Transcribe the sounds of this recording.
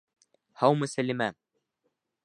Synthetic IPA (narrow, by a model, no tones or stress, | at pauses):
hɑwmɤsælʲimæ